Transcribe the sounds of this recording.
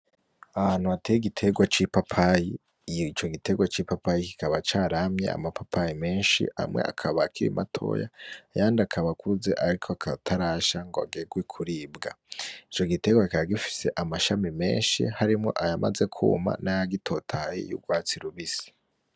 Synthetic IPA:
aβaːn̥huatejiɡitʰe̞ɡwat͡ʃipapʰaji | it͡ʃo̞ɡite̞ɡwat͡ʃipapajiki̥kaβat͡ʃaːɾamɲe̞̰a̰mapʰapʰajime̞ːnʃḭa̰mŋe̞̰ʔa̰kʰaβaːkiɾḭmʔa̰tʰo̞̰ja̰jaːndakʰaβakuze̞ʔaɾikʰoakʰatʰaɾaʃaŋɡoa̰ɡeɡwekʰuɾiːbɡa | it͡ʃo̞ɡite̞ɡwakikaβaɡifi̥se̞ʔamaʃamime̞̰ːnʃḭhaɾimŋo̞̰ʔajama̰ze̞kʰṵːma̰najaɡitʰo̞ːtʰajḛjṵɡwaːt͡siɾuβisi̥

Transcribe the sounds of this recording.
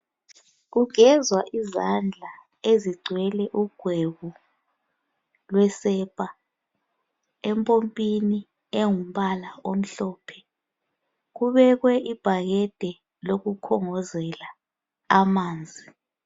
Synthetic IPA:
ɣuɡʱɛzwaʔizand͡ɮʱa | eziɡ͡ǀʱwɛlɛʔuɡ̥ʱweɣu | lwɛsɛpʼa | ɛmpʼompʼini | eŋum̩ɓalaom̩ɬɔːpʰɛ̥ | ɣuβɛɣwɛʔib̥ʱaɣɛd̥ʱɛ | loɣukʰɔŋɔzɛla | amaːnd͡zʱi

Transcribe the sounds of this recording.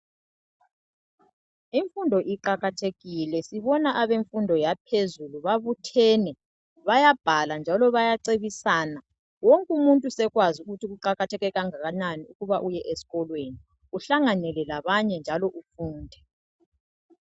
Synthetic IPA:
iɱfundʱɔʔiǃaɣatʰeɣilɛsiβɔnaʔaβeɱfundʱɔjapʰezuluβaβutʰɛːnɛ | βajab̥ʱaland͡ʒʱalɔβajaǀeβisana | woŋkʼumuntʼusɛɣwazuɣutiɣuǃaɣatʰɛɣɛɣaŋaɣananiuɣuβaʔujɛʔesi̥ɣɔlweni | uɬaŋanɛlɛlaβaɲɛnd͡ʒʱalɔʔufuːndʱɛ

